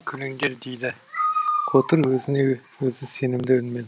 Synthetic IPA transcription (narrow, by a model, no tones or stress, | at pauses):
kʲʰʏlɪŋɡʲeɾd̪ejd̪ɪ | kʰot̪əɾwɵzɪnewɵzɪse̞nɪmd̪ɪʏnmed̪